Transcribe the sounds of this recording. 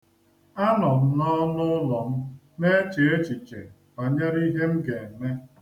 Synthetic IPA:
a˦nɔ˨m̩˦nɔ˦lʊ˦lɔ˨m̩˦ | me˦t͡ʃe˨e˦t͡ʃi˨t͡ʃḛ˨ | ba˨ɲe˦ɾi˦ɦe˦m̩˦ɡe˨m̩˨me˦

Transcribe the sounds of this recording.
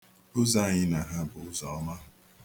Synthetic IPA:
o˦za˦˨ɲɪ˦na˨ɦa˦bʊ˨ʊ˦zɔ˨ɔ˦ma˦

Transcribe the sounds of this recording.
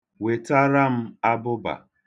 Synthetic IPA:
we˨ta˦ɾa˦m̩˦a˦bʊ˦ba̰˨

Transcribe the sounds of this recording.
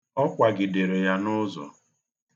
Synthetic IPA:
ɔ˦kʷa˨ɡɪ˨de˨ɾe˨ja˦nʊ˦zɔ̰˨

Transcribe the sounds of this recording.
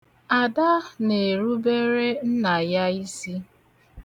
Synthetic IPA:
a˨da˦ne˨ɾu˦be˦ɾe˦n̩˦na˨ja˦i˦si˦

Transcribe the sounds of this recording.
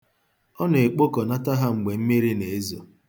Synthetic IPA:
ɔ˦n˨e˨k͡po˦kɔ˨na˦ta˦ɦa˦ŋ͡m̩˨ɡ͡be˨m̩˦mi˦ɾi˦ne˨e˦zo˨

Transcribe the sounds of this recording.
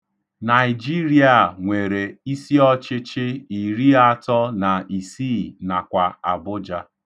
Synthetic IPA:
na˨ɪ˨d͡ʒi˦ɾi˦a˨ŋʷe˨ɾe˨i˦si˦ɔ˦t͡ʃɪ˦t͡ʃɪ˦i˨ɾi˦a˦tɔ˦na˨ʔi˨si˦˨na˨kʷa˨a˨bʊ˦d͡ʒa˦

